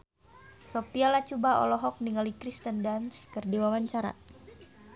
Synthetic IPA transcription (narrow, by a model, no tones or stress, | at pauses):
sopialat͡ʃubaɔ̰lɔɦɔk̚niŋalikɾist̪əndanskərdiwawaɲt͡ʃaɾa̰